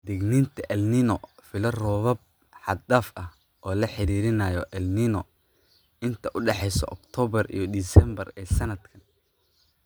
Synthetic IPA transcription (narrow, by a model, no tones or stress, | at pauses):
d̪ɛɡniːnt̪ʰɐʔɛlnɪnɔfɪlɐrɔːβɐb̚ | ħɑd̪aːfʔɐh | ʔɔːlɐħɪɾiːɾɪnɐːjɔʔɛlnɪnɔ | ɪnt̪ʰɐʔʊɖɛħɛjsɔ̰ʔɔ̰kt̪ʰɔːβɐrḭjɞd̪isɛmbɐrɛːsɐnɐd̪kʰɐn